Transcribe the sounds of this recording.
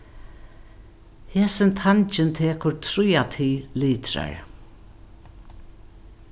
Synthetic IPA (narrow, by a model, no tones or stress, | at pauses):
hɛːsɪnt̪ʰant͡ʃɪnt̪ʰeːkʊɹt̪ʰɾujat̪ʰiːliːt̪ɾa̰ɹ